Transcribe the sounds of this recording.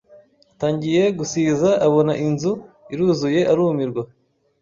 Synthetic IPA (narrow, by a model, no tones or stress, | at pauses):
ataːɲɟije̞ɡusiːzaʔːβo̞naʔinzu | iɾuːzuje̞ʔaɾuːmiɾɡwa